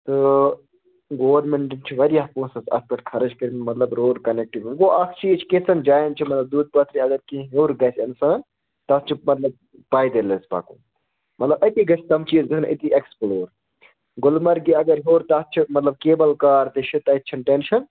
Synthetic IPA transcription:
t̪ɨ | ɡoːʋɐɾmeɳʈint͡ʃʰiʋɐɾijapõːsɐsɐ̰spɐʈkʰɐɾɐd͡ʒkɐɾinmɐt̪lɐbɾoːɖkɐnek̚ʈiʋɡoʔɐkt͡ʃʰiːt͡ʃʰi̥kẽsɐnd͡ʒaːjnt͡ʃʰimɐt̪lɐb̚d̪uːd̪̚pɐt̪ɾiɐɡɐɾkĩɦoːɾɡɐsɐnsaːn | t̪ɐst͡ʃʰimɐt̪lɐb̚ | paːjd̪elesba̰ːkṵ̃ː | mɐt̪lɐbɐk̪iɡɐsʰt̪ɐmt͡ʃiːzd̪isʰnʔḭt̪iʔeksploːɾ | ɡʊlmɐɾɡiɐɡɐɾɦoːɾt̪ɐst͡ʃʰimɐt̪lɐb̚keːbɐlkaːɾt̪iʃʰit̪ɐt̪ːt͡ʃʰɐnʈenʃʰɐn

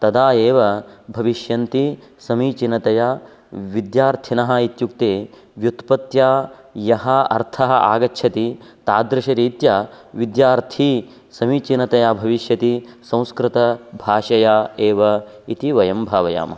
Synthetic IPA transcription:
t̪ɐd̪aːeːʋɐbʱɐʋiʃjɐnt̪isɐmiːt͡ʃinɐt̪ɐjaː | ʋid̪jaːɾt̪ʰinɐɦɐ̆it̪juk̚t̪eː | ʋjut̪pɐt̪jaːjɐɦɐɐ̰ɾt̪ʰɐɦɐʔa̰ːɡɐtːʃʰɐt̪it̪aːd̪ɾɪʃɐɾiːt̪ja | ʋid̪jaːɾt̪ʰi | sɐmiːt͡ʃinɐt̪ɐjaːbʱɐʋiʃjɐt̪isɐ̃w̃skɾɪt̪ɐbʱaːʂɐjaːeːʋɐit̪iʋɐjɐmbʱaːʋɐja̰ːmɐ

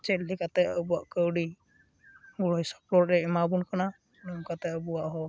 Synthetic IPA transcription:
t͡ʃɛtlikat̪ɛəbuwaʔkəwɖi | ɡulɔjsɔ̥plɔɾɾɛɛmabunkana | nɔŋkat̪ɛəbuwaʔɦɔ

